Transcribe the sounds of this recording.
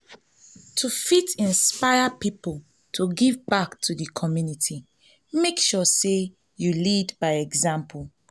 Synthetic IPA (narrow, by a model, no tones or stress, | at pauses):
tʰufitĩnspaɪapipl | tʰuɡivbaktʰudəkʰɔmjunitʰi | mekʃɔse | julidbaɪɛɡzãmpʰul